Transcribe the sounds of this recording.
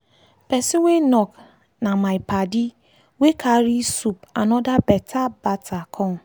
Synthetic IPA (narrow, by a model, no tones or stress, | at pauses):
pɛsiwenɔk | nãmajpadi | wekʰaɾisupanɔdabɛtʰabatʰakʰɔn